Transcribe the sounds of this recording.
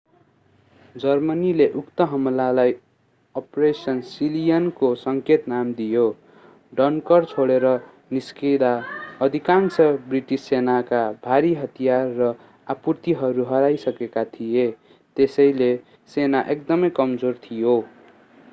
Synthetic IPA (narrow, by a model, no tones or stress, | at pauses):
d͡zʌrmʌnileʔukt̪ʌɦʌmlalaj | ʌpresʌnsilijʌnkosʌŋket̪namd̪ijo | ɖʌnkʌrt͡sʰoɽeɾʌ | niskid̪aʌd̪ʱikansʌbriʈisːenakabʱaɾiɦʌt̪ijarːʌ | apurt̪iɦʌɾuɦʌɾajsʌkekat̪ʰije | t̪esʌjle | senaʔekd̪ʌmʌjkʌmd͡zort̪ʰijo